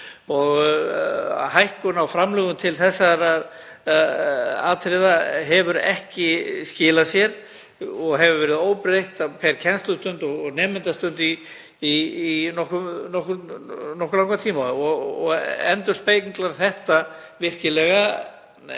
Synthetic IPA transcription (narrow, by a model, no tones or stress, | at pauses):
ɔɣ | hajhkʏnawfɾamlɛːɣʏmt̪ʰɪlθɛsːaɾa | aːt̪ʰɾɪðaɦɛvʏɾɛ̰hcɪscɪːlasjɛɾ | ɔɣɦɛvʏɾvɛːɾɪðoːwpɾejht̪apʰɛɾ̥cʰɛnst̪ʏst̪ʏnt̪ɔɣɔɣnɛːmɪnt̪ast̪ʏnt̪iː | inɔhkʏmnɔhkʏnɔhkːʏlawŋkat̪ʰiːmaɔɣɔɣɛ̰nt̪ʏɾ̥spejiŋklaɾ̥θɛht̪avɪr̥cɪlɛɣa